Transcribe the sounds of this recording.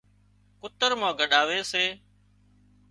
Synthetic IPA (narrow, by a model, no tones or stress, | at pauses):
kʊt̪əɾmãːɡəɗaːʋeːseː